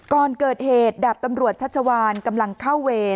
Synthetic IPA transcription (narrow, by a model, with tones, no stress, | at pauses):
kɔː˨˩nkɤː˨˩t̪̚heː˨˩t̪̚da˨˩p̚t̪a˧mɾu˨˩ət̪̚t͡ɕʰa˦˥t̪̚t͡ɕʰa˧waː˧nka˧mla˧ŋkʰa˥˩wːeː˧